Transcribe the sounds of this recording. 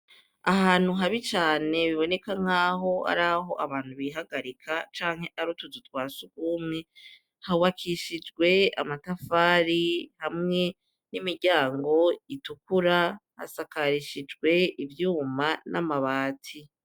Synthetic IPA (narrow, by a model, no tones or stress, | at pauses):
aɦaːn̥huɦaβit͡ʃaːne̞βiβo̞ne̞kaŋ̥aːɦo̞a̰ɾaɦo̞ʔaβaːn̥huβiɦaɡaɾikʰat͡ʃaːŋ̥he̞ʔaɾutuzutwaːsuɡuːmŋe̞ | hauβakʰiʃid͡ʒɡwe̞a̰matafaːɾihamŋe̞ | nimiɾɟaːŋɡo̞itukuɾaha̰sakaɾiʃid͡ʒɡwe̞ivjuːmanʔamaβaːtʰi